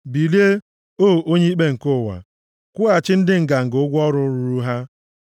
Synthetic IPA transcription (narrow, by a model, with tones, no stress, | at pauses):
bi˨li˦e˦ | oː˦˨o˦ɲe˦i˦k͡pe˦ŋ̩˨ko˦˨wa̰˨ | kʷʊ˦a˨t͡ʃɪ˦n̩˦dɪ˦ŋ̩˨ɡa˨ŋ̩˨ɡʊ˦ɡʷɔ˦ɾʊ˦ɾu˦ɾu˦ɦa˦